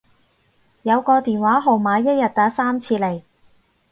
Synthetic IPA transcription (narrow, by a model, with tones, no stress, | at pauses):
jɐ˨˧wkɔː˧t̪iː˨nwaː˨˥ɦo˨wmaː˨˧jːɐ˥t̚jɐ˨t̚t̪aː˨˥saː˥mt͡sʰiː˧le˨˩j